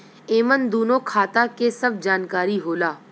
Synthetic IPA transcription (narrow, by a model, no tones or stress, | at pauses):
eːmənd̪oːnõːkʰaːt̪akesɐb̚d͡ʒaːnkaːɾiɦoːlaː